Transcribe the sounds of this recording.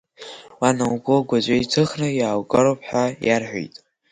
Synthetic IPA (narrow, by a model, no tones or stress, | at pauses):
wanawɡʷʼʊɡʷad͡ʒʷajtʰɨχnɨjaːwkʼaɾowpʰħajarħʷᶣo̰jtʼ